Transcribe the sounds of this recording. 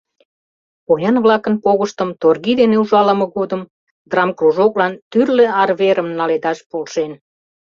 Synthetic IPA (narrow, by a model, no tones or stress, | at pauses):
pojɑnβlɑkənpoɣəʃt̪əmt̪orɣid̪eneuʒɑlə̆mə̆ɣod̪əm | d̪rɑmkruʒoklɑnt̪yrleɑrβeɾəmnɑled̪ɑʃpolʃen